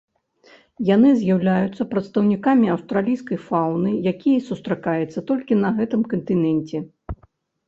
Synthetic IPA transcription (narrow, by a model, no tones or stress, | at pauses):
janɨzʲjawlʲajut̪sːɐpɾɐt̪st̪ɐwnʲikamʲiɐwst̪ɾalʲijskɐjfawnɨjakʲijɐsust̪ɾakajɛt̪sːɐt̪ɔlʲkʲinɐɣɛt̪ɨmkɐnt̪ɨnɛnʲt͡sʲɛ